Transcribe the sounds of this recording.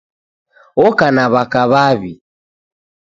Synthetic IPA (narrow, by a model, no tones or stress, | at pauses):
ɔkanaβakaβaβi